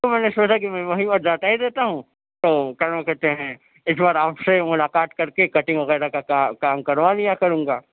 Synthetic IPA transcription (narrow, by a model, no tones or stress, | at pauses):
omɛːnesoːt͡ʃak̬imɛ̃ːʋɐɦimət̪̚d͡ʒaːʈ̪aɦid̪eːt̪aɦũː | t̪oːkɐɾmkɛɾt̪eɦɛ̃ | ɪsbaːɾaːpsemʊlaːqaːt̪kɐɾkekɐʈɪ̃ŋɡʋɐɣɛːɾakakakaːmkɐɾʋalijakɐɾũːŋɡaː